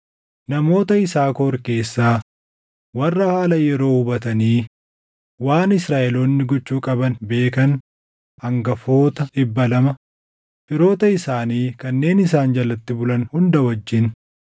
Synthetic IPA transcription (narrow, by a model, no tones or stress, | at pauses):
nɐmo̞ːt̪ɐɪsaːkoɾke̞ːsːaː | wɐrːɐhaːlɐjɛɾo̞ːhʊbɐt̪ɐniː | waːnɪsɾaːʔɛloːnːɪɡɔt͡ʃːuːkʼɐbɐnbe̞ːkɐn | ɐŋɡɐfo̞ːt̪ɐᶑɪbːɐlɐmɐ | fɪɾo̞ːt̪ɐɪsaːniːkɐnːe̞ːnɪs̬aːnd͡ʒɐlɐt̪ːɪbʊlɐnhʊnd̪ɐwɐd͡ʒːɪn